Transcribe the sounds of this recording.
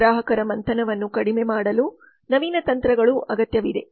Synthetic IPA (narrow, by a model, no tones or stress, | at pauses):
ɾaːɦɐkɐɾɐmɐnt̪ʰɐnɐʋɐnːukɐɽimeːmaːɽɐlu | nɐʋiːnɐt̪ɐnt̪ɾɐɡɐɭuʔɐɡɐt̪jɐʋid̪e̞̰